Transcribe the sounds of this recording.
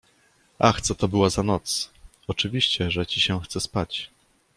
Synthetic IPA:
ʔaxt̪sɔt̪ɔbɘwazanɔt̪s | ɔt͡ʂɘvʲiɕt͡ɕɛʐɛt͡ɕiɕɛxt̪sɛspat͡ɕ

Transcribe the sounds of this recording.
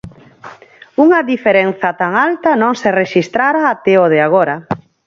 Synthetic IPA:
uŋɐðifeɾenθɐt̪aŋalt̪ɐnõŋsereʃist̪ɾaɾaːt̪ɛoðɪaɣ̞oɾɐ

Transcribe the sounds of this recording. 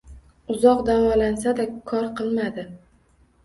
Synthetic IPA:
ʊzɒqd̪avɒlansad̪akʰɒɾqɨlˠmad̪ɪ

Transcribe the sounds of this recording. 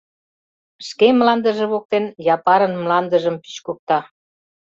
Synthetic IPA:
ʃkemlɑnd̪ə̆ʒĕβok̚t̪enjɑpɑɾənmlɑnd̪əʒəmpi̥t͡ɕkuk̚t̪ɑ

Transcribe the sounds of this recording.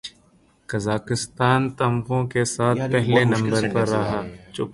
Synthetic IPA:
kɐzaːkɪst̪aːnt̪ɐ̃mpõkesaːt̪ʰpɛɦlenɐ̃mbəɾpɐɾːɐɦaːt͡ʃʊ

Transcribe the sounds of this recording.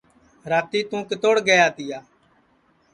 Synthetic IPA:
ɾaːt̪iːt̪ũːkət̪oːɽɡəjaːt̪ɪjaː

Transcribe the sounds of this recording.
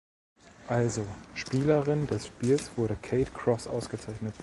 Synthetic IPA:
ʔalzoʃpiːləʁɪndɛsʃpiːlsv̥ʊɐɾəkʰeɪtkʰʁ̥ɔsʔa̰ʊsɡ̥ət͡saɪçnət

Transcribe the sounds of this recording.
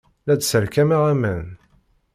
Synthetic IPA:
lædsəɾkæmæʁæmæn

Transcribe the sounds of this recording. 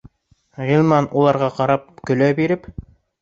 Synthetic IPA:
ʁilˠmɑnulˠɑɾʁɑqɑɾɑp̚kɵ̆læbiɾɘp

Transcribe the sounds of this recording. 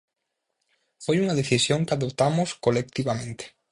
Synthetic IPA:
fojuŋɐðeθisjoŋkaðop̚t̪amʊskolek̚t̪iβamẽnt̪e̥

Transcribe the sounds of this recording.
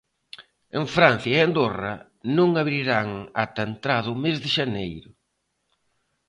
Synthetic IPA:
eŋfɾan̟θjɐeand̪orɐ | nũŋaβɾiɾaŋat̪ant̪ɾaðʊmezðɪʃanejɾʊ

